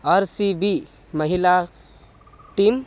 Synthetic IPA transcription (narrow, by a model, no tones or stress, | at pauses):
əɾsibi | məɦila | ʈim